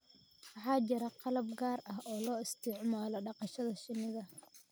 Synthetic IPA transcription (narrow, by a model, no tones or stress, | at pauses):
wɑħɑːt͡ʃɪɾɐqɑlɐb̚ɡaːrɐɦɔːlɔːɪst̪ʰɪʕmaːlɔɖɑqɑʃɐðɐʃɪnɪɣɐ